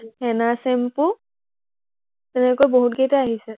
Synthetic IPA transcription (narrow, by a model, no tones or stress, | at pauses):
ɛnasɛmpʊ | tɛnɛkojboɦut̚ɡetaaɦisɛ